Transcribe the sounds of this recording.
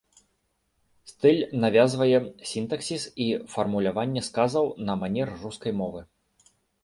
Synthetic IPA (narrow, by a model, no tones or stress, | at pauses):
st̪ɨlʲnavʲazvɐjɛsʲint̪ɐksʲisifɐrmulʲavanʲːɛskazɐwnɐmanʲɛrruskɐjmɔvɨ